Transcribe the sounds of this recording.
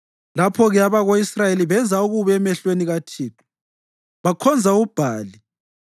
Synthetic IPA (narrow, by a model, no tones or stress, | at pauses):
lapʰɔɣɛaβaɣoisrajeliβɛnd͡zʱauɣuβɛmɛɬweniɣatʰiːtʰu̥ | βakʰɔnd͡zʱaub̥ʱaːli